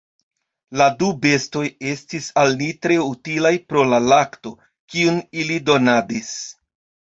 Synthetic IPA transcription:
ladube̞sto̞je̞stisalnitɾe̞utilajpɾo̞lalakto̞ | kiunilido̞nadis

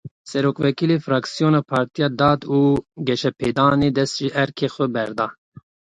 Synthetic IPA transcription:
sɛɾoːkvɛkiːlefɾɑːksijoːnaːpʰɑːɾt̪ijɑːd̪ɑːd̪uːɡɛʃɛpʰeːd̪ɑːneːd̪ɛst̪ʒɪʔɛɾkʰeːxʷɛbɛɾd̪ɑː

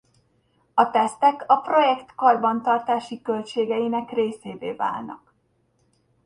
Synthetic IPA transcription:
ɒt̪ɛst̪ɛkɒpro̞jɛkt̪kɒrbɒnt̪ɒrt̪aːʃikølt͡ʃeːɡɛjinɛkreːseːveːva̰ːlnɒ̰k

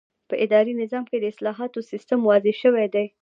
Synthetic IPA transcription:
pəʔɪd̪ɑɾinɪzɑmked̪əɪslɑɦɑt̪osist̪əmwɑzeʃəwed̪aj

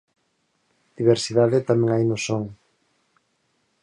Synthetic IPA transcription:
d̪̥iβeɾsiðaðet̪amẽŋajnʊsoŋ

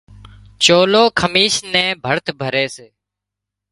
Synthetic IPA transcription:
t͡ʃoːloːkʰəmiːʃnɛ̃ːbʱəɾt̪ʰbʱəɾeːseː

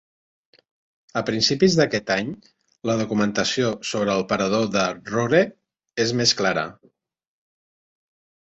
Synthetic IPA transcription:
əpɾinsipizðəkɛt̪aɲ | ləð̞ukumənt̪əsiosoβɾəːlˠpəɾəð̞oðəroɾe | ezmesklaɾə̰

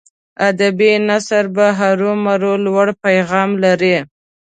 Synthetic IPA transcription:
ad̪abinasaɾbaɦaɾumaɾolwaɽpajɣɑmlaɾi

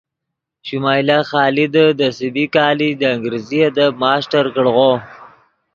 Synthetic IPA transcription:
ʃumɑːjlaxɑːlid̪əd̪əsɪbikɑːlid̪əːŋɡɾiziad̪əmɑːsʈaɾkəɽɣo

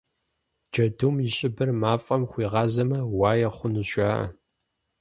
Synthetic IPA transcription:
d͡ʒɐdumjɪɕʼɪbɐrmaːfʼɐmχʷiːʁɑːzɐmɐwaːjɐχʷʊnuɕʷʼaːʔɐ̰

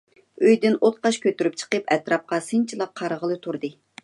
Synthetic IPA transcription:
øjd̪ɪnot̪̚qɑʃkʲʰøt̪yɾyp̚t͡ʃʰə̥qəpɛt̪ɾɑp̚qɑsɨnt͡ʃʰilˠɑq̚qʰːɑɾəʁəlˠɨt̪ʰuɾd̪ɨ

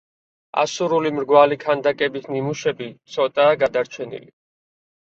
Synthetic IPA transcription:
a̰suɾulimɾɡwalikʰand̪akʼɛbisnimuʃɛbit̪sʰɔt̪ʼaːɡad̪aɾt͡ʃʰɛnḭli

